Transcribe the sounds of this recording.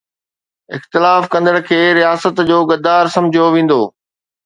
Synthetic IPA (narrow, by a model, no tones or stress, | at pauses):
ɪxt̪ɪlaːfkɐ̃nd̪əɽ̃̆kʰeːɾijaːsət̪d͡ʑoːɡɐd̪aːɾsɐ̃md͡ʑʱijoʋẽːn̆d̪oː